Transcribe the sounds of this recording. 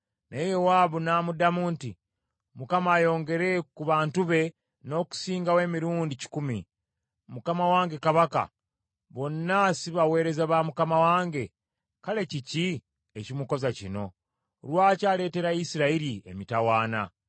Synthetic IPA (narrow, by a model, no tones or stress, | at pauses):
nʔejewaβunaːmudamuːnti | mukamaːjo̞ːŋɡe̞ɾe̞kuβaːntuβe̞ | no̞ːku̥siːŋɡawe̞ːmiɾuːndici̥kumi | mukamawaːŋɡe̞kaβaka̰ | βo̞nːasiβawe̞ːɾe̞zaβamukamawaːŋɡe̞ | kale̞cici | ecimuko̞zacino̞̰ | lwaːcaːle̞ːte̞ɾaisiɾaiɾiḛmitawaːna̰